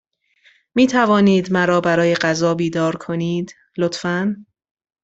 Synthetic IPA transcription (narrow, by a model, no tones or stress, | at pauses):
miːt̪ʰævɒːniːd̪mæɾɒːbæɾɒːje̞ɢæzɒːbiːd̪ɒːɾkʰo̞niːd̪ | lot̪fæn